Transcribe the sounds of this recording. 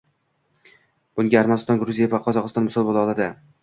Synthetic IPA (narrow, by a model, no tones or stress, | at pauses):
b̥ʊŋɡʲaːɾmanɪst̪ɒnɡɾʊzijevaqʰɒzɒqɨst̪ɒnmʊsɒlˠbolˠaɒlˠad̪ɪ